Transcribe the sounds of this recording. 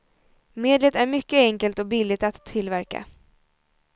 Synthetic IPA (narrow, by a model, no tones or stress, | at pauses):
meːd̪lət̪æɾmʏkːəɛŋkəlt̪ɔkbɪlːɪɡt̪at̪ʰːɪlvæɾka̰